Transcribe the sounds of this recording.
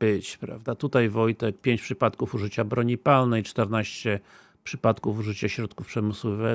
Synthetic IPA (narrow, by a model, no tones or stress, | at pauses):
b̥ɘt͡ɕpɾa̰vd̪at̪ut̪ajvɔjt̪ɛk̚pʲjeɲt͡ɕʲpʂɘpat̪kufuʐɘt͡ɕabɾɔɲipalnɛjt͡ʂt̪ɛɾnaɕt͡ɕɛ | pʂɘpat̪kufuʐɘt͡ɕaɕɾɔt̪kufpʂɛmɘswvɛ